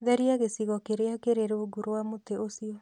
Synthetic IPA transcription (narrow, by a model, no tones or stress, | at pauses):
ðɛɾiaɣesiɣɔkeɾeakeɾeɾeoɡuɾowamoteosiɔ